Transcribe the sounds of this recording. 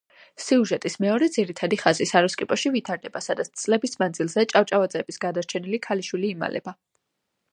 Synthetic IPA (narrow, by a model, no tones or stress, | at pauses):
siuʒɛt̪ʼismɛɔɾɛd̪ziɾit̪ʰad̪iχazisaɾɔskʼipʼɔʃivit̪ʰaɾd̪ɛbasad̪at̪st̪sʼlɛbismand̪zilˠzɛt͡ʃʼaft͡ʃʼavad̪zʼɛbisɡad̪aɾt͡ʃʰɛnilikʰaliʃwiliːma̰lʔɛ̰ba